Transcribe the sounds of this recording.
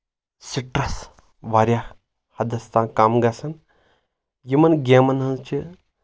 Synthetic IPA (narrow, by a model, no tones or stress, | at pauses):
siʈɾɐs | ʋaːɾjaː | hɐd̪ɐst̪ãːkaːmɡɐsɐn | jimɐnɡʲeːmɐnɐnt͡ʃʰi